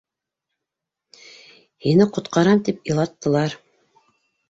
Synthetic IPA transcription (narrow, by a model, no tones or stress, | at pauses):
hinɘqŏt̪qɑɾɑmt̪ipĭlˠɑt̪ːɤ̆lˠɑɾ